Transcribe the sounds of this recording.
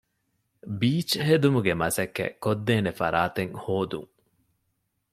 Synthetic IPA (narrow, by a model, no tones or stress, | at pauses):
biːt͡ʃɦed̪umuɡemɐsɐkːḛkod̪ːeːnefɐ̰ɾaːt̪eŋhoːd̪ṵŋ